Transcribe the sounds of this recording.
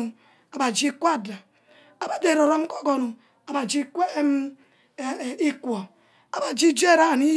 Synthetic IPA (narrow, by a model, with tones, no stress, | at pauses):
u˨ | a˨ba˨d͡ʒi˦kʷa˦˨da˨ | a˨ba˦de˨ɾo˨ɾo˦m̩˦ko˦ɡo˦nu˨ | a˨ba˨d͡ʒi˦kʷe˦˨ | i˦kʷo˨ | a˨ba˨d͡ʒi˦d͡ʒe˦˨ɾa˦˨ni˦